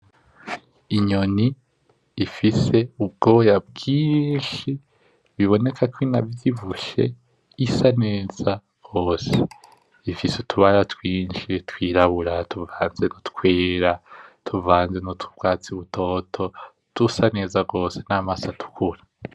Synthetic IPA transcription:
iɲo̞niː | fise̞ub̚ɡo̞ːjab̚ɡiːnʃi | βiβo̞ne̞kʰakwinavjiβuʃe̞̰ | isane̞ːz̥a | ɡ̥o̞ːse̞ | ifisutʰuβaɾatwiːnʃitwiːɾaβuɾatʰuvaːnzenotkweːɾatʰuvaːnzenutubɡwaːt͡siβutʰo̞ːtʰo̞ | d̥usane̞ːzaɡo̞ːse̞̥naːmasatu̥kʰuɾḁ

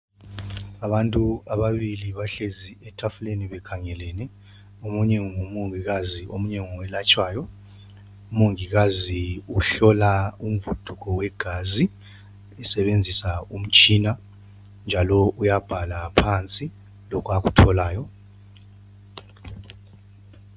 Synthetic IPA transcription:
aβantʼuaβaβiliβaɬeziɛtʰafuleniβɛkʰaŋɛlɛnɛ | omuɲɛŋŋumoŋiɣaziʔomuɲɛŋɔwɛlat͡ʃʼwaːjɔ | umoŋiɣaziuɬɔlaum̩vud̥ʱukɔwɛɡ̥ʱazi | ɛsɛβend͡zʱisaum̩t͡ʃʼiːna | nd͡ʒʱalɔʔujab̥ʱalapʰant͡sʼi | lɔkʰaɣutʰɔlaːjɔ

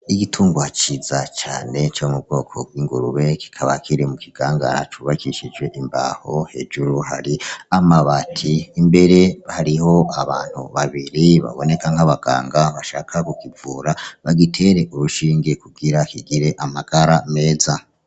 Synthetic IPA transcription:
iɡitʰuːŋɡwat͡ʃizat͡ʃa̰ːne̞t͡ʃo̞mub̚ɡo̞ːkʰo̞̰b̚ɡwiːŋɡuɾuβe̞ki̥kʰaβakʰiɾemukiɡ̥aːŋɡa̰ɾa̰t͡ʃuːβakiʃid͡ʒwe̞ʔimba̰hohe̞d͡ʒuɾuhaɾiamaβatʰiːmbe̞ɾehaɾiho̞aβaːn̥hṵβaβiɾiβa̰βo̞ne̞kaŋhaβaɡ̥a̰ːŋɡaβaʃaːkʰakukivuːɾaβaɡitʰe̞ɾe̞ʔuβuʃiːŋɡekuɡiɾakiɡiɾe̞ʔamaɡ̥aɾame̞ːza

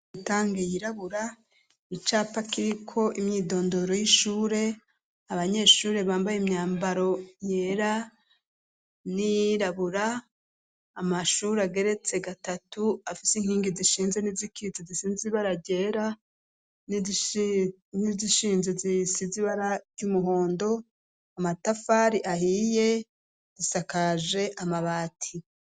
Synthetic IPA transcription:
itaːŋɡejiɾaβuɾa | it͡ʃaːpakiɾikʰo̞ʔimɲiːdo̞ːndo̞ɾo̞jiʃuːɾe̞ | aβaɲe̞ʃuːɾe̞βaːmbajimɲaːmbaɾo̞je̞ːɾa | nijɾaβuɾaː | maʃuːɾeaɡe̞ɾe̞t͡se̞ɡatatuafisiŋhiːŋɡiziʃiːnzenizikit͡sizisiniziβaɾaɟe̞ɾa | n | niziʃiːnzezisiziβaɾaɾɟumuɦo̞ːndo̞ | amatafaɾiʔahije̞ | z̥isakaʒe̞ʔamaβaːtʰi

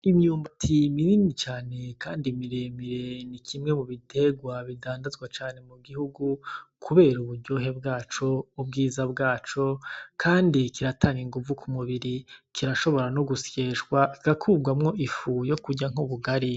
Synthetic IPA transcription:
imɲuːmbatʰimininit͡ʃaːne̞kaːndimiɾemiɾe̞nikʰimŋe̞muβitʰe̞ɡwaβidaːndazɡwat͡ʃaːne̞muɡihuɡukʰuβe̞ːɾuβuɾɟo̞ːɦe̞bɡaːt͡ʃo̞ub̚ɡiːzabɡaːt͡ʃo̞kʰaːndikiɾataːŋɡiŋɡuvukʰumuβiɾikʰiɾaʃo̞βo̞ɾanoɡusje̞ʃɡwaiɡakʰuːbɡwamŋo̞ʔifujo̞kuɟaŋuβuɡaɾi

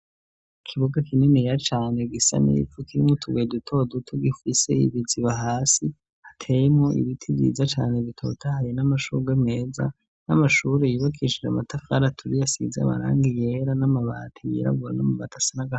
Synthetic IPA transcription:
ikʰiβoɡakʰininejat͡ʃaːne̞ɡisa̰nḭfukiɾimŋotʰuɡedutʰo̞dutʰuɡifise̞ḭβiziβaɦaːsi | hatʰe̞jemŋoʔḭβitʰiβḭːzat͡ʃaːne̞βitʰo̞̰tʰahajinamaʃuɡeme̞ːza̰ | namaʃuːɾejuβakʰiʃid͡ʒa̰matafa̰ɾatʰuɾijasḭzea̰ma̰ɾa̰ːŋɡije̞ɾanamaβa̰ːtʰijḭɾa̰ɡuɾanamuβatʰḁsanaɡa

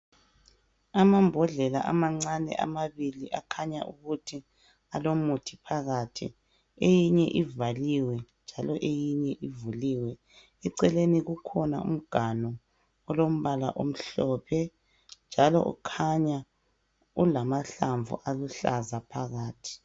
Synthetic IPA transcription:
amambʱɔɮɛla̰ʔa̰maŋ͡ǀanɛ̰ʔa̰maβiliʔakʰaɲaʔuɣutʰi | alomutʰi̥pʰaɣatʰḭ | ejiɲɛʔivaliwɛnd͡ʒʱalɔʔejiɲɛʔivuliwɛ | ɛǀɛleniɣukʰɔna̰ṵm̩ɡ̥ʱanɔ | ɔlom̩βala̰ʔom̩ɬɔpʰɛ | nd͡ʒʱalɔ̰ʔṵkʰaɲa | ulamaɬaɱvṵʔaluɬazapʰaɣaːtʰi̥

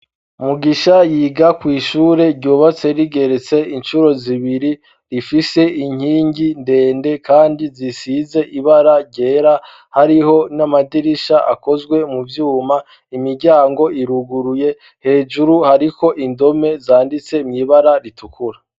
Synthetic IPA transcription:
muɡiʃajiːɡakwiːʃuːɾe̞ɾɟoːβat͡se̞ɾiɡe̞ɾet͡se̞inʃuɾo̞ziβiɾi | ɾifise̞ʔiɲ̥hiːɲɟinde̞ːnde̞kʰaːndizisize̞ʔiβaɾaɟe̞ːɾa | haɾiho̞namadiɾiʃaʔa̰ko̞zɡwe̞muvjuːma | imiɾɟaːŋɡo̞ʔiɾuɡuɾuje̞ | he̞ːʒuɾuhaɾiko̞ʔindo̞me̞zaːndit͡se̞mɲiβaɾaɾitukʰuɾa

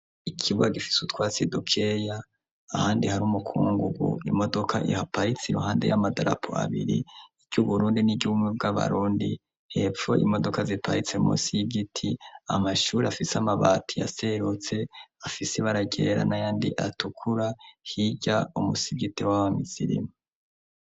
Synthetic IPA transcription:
ikʰiβɡaɡifi̥sutwaːsidukʰejaː | haːndihaɾumukʰuːŋɡuɡṵimo̞do̞kʰa̰ʔihapʰait͡siɾuhaːndejamadaɾa̰pʰo̰a̰βiɾḭː | ɟuβuɾuːndiniɟuumweb̚ɡaβa̰ɾuːndi | he̞p͡ffo̞̰ʔimo̞do̞kazipait͡se̞mṵːsijiɡitʰia̰maʃuːɾiafisamaβaːtʰija̰seɾut͡se̞afiseβaɾaɟeɾa̰najaːndiʔatukʰuɾahiɟaumusiɡitewaβamiziɾḭma

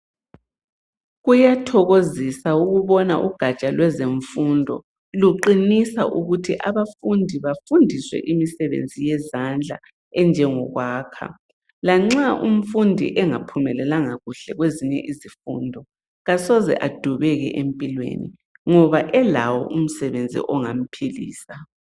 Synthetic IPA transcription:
ɣujatʰɔɣozisauɣuβɔna̰ʔuɡ̥ʱat͡ʃʼalwɛzeɱfundʱɔ̰ | luǃinisaʔuɣutʰiʔaβafundʱiβafundʱiswɛ̰ʔimisɛβḛnd͡zʱijɛzand͡ɮʱa | ɛnd͡ʒʱɛŋɔɣwaːkʰa̰ | laŋ͡ǁaʔṵm̩fundʱḭʔɛŋapʰumɛlɛlaŋaɣuɬɛɣweziɲɛ̰ʔizifundʱɔ | ɣasɔzɛ̰ʔad̥ʱuβɛɣɛ̰ʔempʼilwḛnḭ | ŋɔβaʔɛlawɔ̰ʔum̩sɛβend͡zʱḭʔɔŋam̩pʰilḭːsa

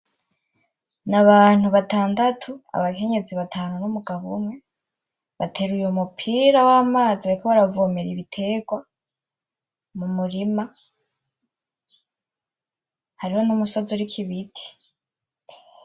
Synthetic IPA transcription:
naβaːn̥huβataːndatʰua̰βakʰe̞ɲe̞ziβatʰaːnunumuɡaβumwe̞ | βatʰe̞ːɾujomupʰiːɾawaːmaːziβaɾikoβaɾavomeɾiβitʰe̞ːɡwa | mumuɾima | haɾiho̞numuso̞zoɾikʰiβitʰi̥

